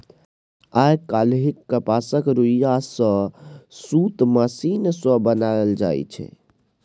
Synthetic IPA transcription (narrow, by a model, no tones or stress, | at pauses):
ajkalɦikːəpasəkɾuijasə̃sut̪masinsə̃bənajld͡ʒa̰j̰t͡ʃʰɛ̰